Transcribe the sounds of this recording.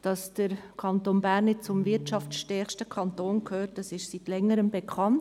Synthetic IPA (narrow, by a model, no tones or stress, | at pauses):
d̥ɑsd̥əɾkʰɑntoːnbæːɾnːɪt̚t͡sʊmvɪɾtt͡ʃɑftʃtɛrχʃtəkʰɑnt̪oːnkʰhøːtɑsɪʃsitlɛŋːəɾəmbekʰɑnt